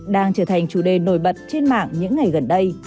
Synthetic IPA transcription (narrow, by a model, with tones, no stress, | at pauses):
ɗaː˧ŋt͡ɕəː˧˩t̪ʰa˨˩jŋ̟t͡ɕu˧˩ɗe˨˩no˧˩jɓə˨˩t̚t͡ɕe˧nma̰ː˧˨ŋɲɨ̰˧˥ŋːa˨˩jɣə˨˩nɗə˧j